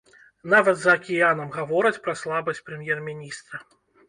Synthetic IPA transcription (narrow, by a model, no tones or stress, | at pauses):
navɐd̪zɐːkʲijanɐmɣavɔɾɨt͡sʲpɾɐslˠabɐsʲpɾɨmʲjɛrmʲinʲist̪ɾɐ